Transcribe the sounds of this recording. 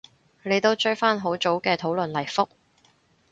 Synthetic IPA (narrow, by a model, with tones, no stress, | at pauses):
ne˨˧jt̪o˥wt͡ʃɵ˥faː˥nɦo˨˥wt͡so˨˥wkɛː˧t̪ʰo˨˧˥wlɵ˨nlɐ˨˩jfʊ˥k̚